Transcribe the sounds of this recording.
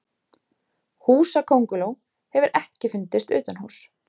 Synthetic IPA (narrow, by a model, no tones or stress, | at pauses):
huːsakʰowŋkʏloːw | hɛvʏɾʔɛhcɪfʏnt̪ɪst̪ʏ̰ːt̪anhaws